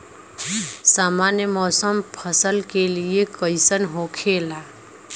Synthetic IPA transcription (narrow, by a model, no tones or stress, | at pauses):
saːmaːnjəmɔːsəmpʰəsəlkeliekəɪsənɦokʰeːlaː